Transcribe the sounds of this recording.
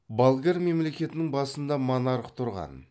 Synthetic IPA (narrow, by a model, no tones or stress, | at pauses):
balˠɡʲerme̞mle̞kʲe̞t̪ɪnɪŋbɑsənd̪ɑmonɑɾqt̪ʰʊɾʁɑ̰n